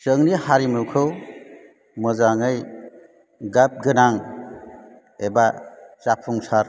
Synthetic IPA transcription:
səŋnihaɾimuwkʰɯw | mɯzaŋɯj | ɡap̚ɡɯnaŋ | ebat͡ʃapʰuŋsaɾ

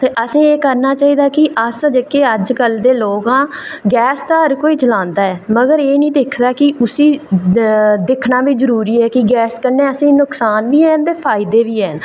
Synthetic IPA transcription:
t̪eːʔəsĩːeːkəɾnaːt͡ʃaːiːd̪aːkɪʔəsd͡ʒəkeːəd͡ʒkəld̪eːloːkãːɡɛːst̪aːɦəɾkoːiːt͡ʃəlãːnd̪aːɛːməɡəɾeːnĩːd̪eːkʰd̪aːkɪʊsiː | d̪ɪkʰnaːʋizəɾuːɾiːɛːkɪɡɛːskəɾneːəsĩːnʊksaːnʋiːɛːnd̪eːpʰaːɪd̪eːʋiːɛːn

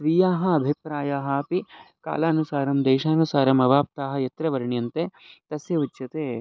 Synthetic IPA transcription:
ʋijaːɦɐ̆ɐbʱipɾaːjaːɦɐɐpi | ka̰ːlaːɐnusaːɾɐmd̪eːʃaːnusaːɾɐmɐʋaːp̚t̪aːɦɐ̆jɐt̪ɾɐʋɐɾɳjɐnt̪eːt̪ɐsjɐutːʃɐt̪eː

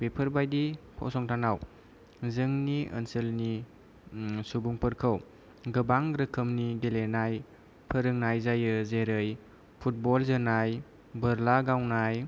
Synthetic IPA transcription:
pepʰəɾbajdipʰɔ̰sɔŋtʰanaw | zɯŋniʔə̰nsəlni | subuŋpəɾkʰəw | ɡɯbaŋɾɯkʰəmniɡelenaj | pʰəɾɯŋnajzajɯzeɾɯj | pʰut̚bɔlzɯnaj | bəɾlaɡawnaj

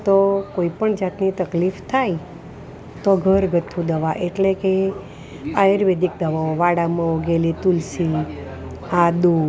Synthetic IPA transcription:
t̪okoipəɳd͡ʒat̪nit̪əklift̪ʰaj | t̪oɡʱəɾɡʱət̪ʰːũd̪əʋaʔeʈleke | aeɾʋed̪ik̚d̪əʋaoʋaɽamãoɡelit̪ulsi | had̪u

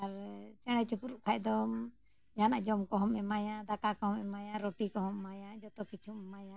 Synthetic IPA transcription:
aɾt͡ʃɛɽ̃ɛt͡ʃukuɾuʔkʰajd̪ɔm | d͡ʒana̰ʔd͡ʒɔmkɔɦɔmɛmajad̪akakɔɦɔmɛmajaɾɔʈikɔɦɔmːajad͡ʒɔt̪ɔkit͡ʃʰummajã

